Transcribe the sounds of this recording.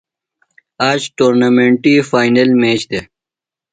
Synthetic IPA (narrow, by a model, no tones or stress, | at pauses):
aːd͡ʑʈoːɾnamẽːɳʈiːfaːjnelmeːt͡ɕd̪e